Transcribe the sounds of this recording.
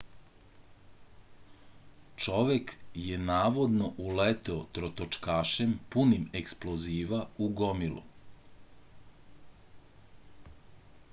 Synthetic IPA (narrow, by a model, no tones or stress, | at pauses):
t͡ʃo̞ʋekjenaːʋo̞d̪no̞ʔulet̪eot̪ɾot̪ot͡ʃkaːʃempunimeksploziːʋauɡomilṵ